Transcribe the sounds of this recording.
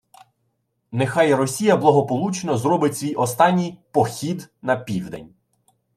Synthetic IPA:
nexɑjrɔsʲijɐblˠɐɦɔpɔlˠut͡ʃenɔzrɔbɪtʲsʲʋʲijʔɔst̪ɑnʲːijpɔxʲid̪nɐpʲiwd̪enʲ

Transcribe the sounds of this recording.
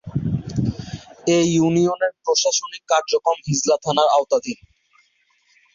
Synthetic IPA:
eunioneɾpɾoʃaʃonikːaɾd͡ʑokomɦid͡ʑlat̪ʰanaɾaot̪ad̪ʱi

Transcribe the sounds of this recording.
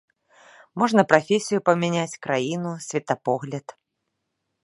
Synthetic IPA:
mɔʐnɐpɾafʲesʲijupɐmʲɛnʲat͡sʲkɾajinusʲvʲɐt̪ɐpɔɣlʲɐt̪

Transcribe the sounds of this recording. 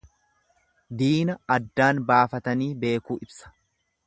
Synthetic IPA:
d̪iːnɐɐd̪ːaːnbaːfɐt̪ɐniːbe̞ːkuːʔɪbsɐ̥

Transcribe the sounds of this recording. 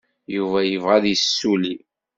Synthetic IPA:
juvæjəvʁæðjəsːuli

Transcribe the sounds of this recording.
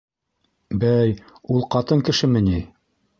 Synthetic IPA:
bæj | ulˠqɑt̪ɤŋkɘ̆ʃɘmɘ̆ni

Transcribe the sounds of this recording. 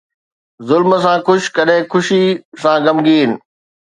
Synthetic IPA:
zʊlməsãkʊʃkɐɗɦɪ̃kʰʊʃisãːɡɐmɡiːnɪ̆

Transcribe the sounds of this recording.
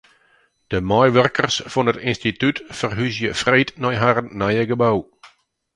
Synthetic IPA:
d̥əmɔjʋœrkərsfɔnətɪnstitytfərɦysjəfreːtnɔjɦaɾənːajəɡəbaw

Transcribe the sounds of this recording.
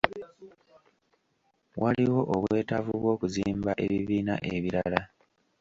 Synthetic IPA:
wʔaliwo̞ʔoβwe̞ːtavuβwo̞ːkuziːmbaʔe̞̰βiβiːna̰ʔe̞βiɾala

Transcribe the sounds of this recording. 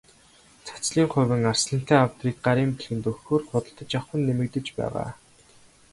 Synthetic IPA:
t͡sʰḁt͡sɮiːŋχʊ̟wɘ̆ŋarsɮə̆n̥t̪ʰæːawt̪riːk̚ɢaɾiːmpiɮxɘ̆nt̪ɵxoːrχʊt̪ə̆ɬt̪ə̆t͡ɕawχə̆nːemɘ̆kt̪ɘ̆t͡ɕpæ̰ːʁa̰ː

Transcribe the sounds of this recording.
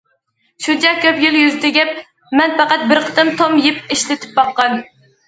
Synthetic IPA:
ʃut͡ʃɛkʲʰøpjyljyzt̪ʰɪɡʲɛp̚ | mɛnpæqɑt̪̚bɪɾqʰə̥t̪ɨmt̪ʰomjɪpiʃlɪt̪ʰɪ̥p̚bɑqːɑn

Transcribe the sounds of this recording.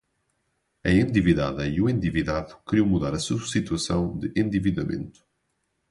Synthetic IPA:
ɐẽnd̪iviða̰ðɐiuẽnd̪iviðaðukɾiwmuðaɾɐsusit̪wɐsɐ̃w̃d̪ɨʔẽnd̪iviðɐmḛ̃nt̪u̥

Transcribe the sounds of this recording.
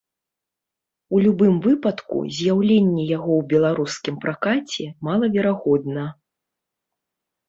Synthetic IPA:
ulʲubɨmvɨpɐt̪kṵzʲjawlʲenʲːɛjaɣɔwbʲɛlˠaɾuskʲimpɾakat͡sʲɛmalˠɐvʲɛɾaɣɔd̪nɐ

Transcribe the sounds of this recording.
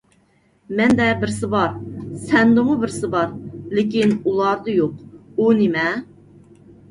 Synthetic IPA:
mɛnd̪ɛbɪɾsɪbɑɾsɛnd̪ɨmʊbɪɾsɪbɑɾlɪkʲinulˠɑɾd̪ɨjoqunɪmɛ

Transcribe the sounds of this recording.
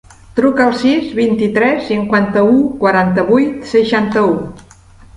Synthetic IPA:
t̪ɾukəəlˠsizβint̪it̪ɾɛsːiŋkwant̪əukwaɾant̪əβujt̪səʃant̪əu

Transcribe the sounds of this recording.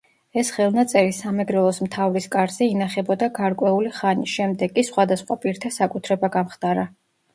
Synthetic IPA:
ɛsχɛlˠnat̪sʼɛɾisamɛɡɾɛlˠɔsmt̪ʰavɾiskʼaɾz̥ɛinaχɛbɔd̪aɡaɾkʼwɛuliχaniʃɛmd̪ɛɡʼisχwad̪asχwapʼiɾt̪ʰasakʼut̪ʰɾɛbaɡamχd̪ʼaɾa

